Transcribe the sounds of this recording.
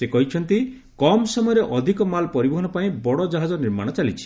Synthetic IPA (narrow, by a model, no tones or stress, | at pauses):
sekɔɦit͡ʃʰɔnt̪i | kɔmsɔmɔjɔɾeʔɔd̪ʱikɔmalpɔɾibɔɦɔnɔpaĩbɔɽɔd͡ʒaɦad͡ʒɔniɾmaɽ̃ɔt͡ʃalit͡ʃʰi̥